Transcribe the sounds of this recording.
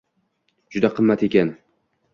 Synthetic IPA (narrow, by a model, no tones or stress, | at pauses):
d͡ʒʊd̪aqʰɨmːat̪e̞kʲan